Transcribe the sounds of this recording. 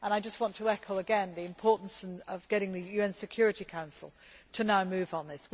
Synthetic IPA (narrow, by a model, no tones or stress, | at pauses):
ə̃ñaɪd͡ʒʌst̚wɒ̃ntʰəɛkʰəʊəɡɛ̃nðiɨ̃mpʰɔɹˑʔn̩səvɡɛɾɪ̃ŋðɨjʉɛ̃nsɨkʰj̥ɔɹɨɾikʰãʊ̃nsl̩ˠtʰənaʊmʉːvn̩ðɪs